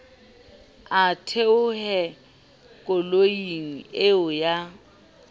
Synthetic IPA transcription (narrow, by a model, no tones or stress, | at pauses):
atʰeʊhɛ | kʼʊloiŋ̩eʊja